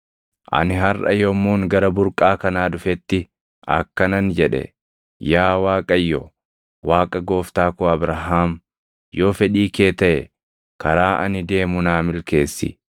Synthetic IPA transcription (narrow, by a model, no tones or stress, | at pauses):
ʔɐ̰nɪɦɐrʔɐ̰jɔmːuːŋɡɐɾɐbʊɾkʼaːkɐnaːd̪ʊfɛt̪ːɪ | ʔɐ̰kːɐnɐnd͡ʒɛᶑɛ̰ | jaːwaːkʼɐjːɔ | waːkʼɐɡo̞ːft̪aːkʊɐbɾɐɦaːm | jo̞ːfɛᶑiːkeːt̪ɐʔɛ | kɐɾaːʔɐ̰nɪd̪e̞ːmʊnaːmɪlke̞ːsːɪ̰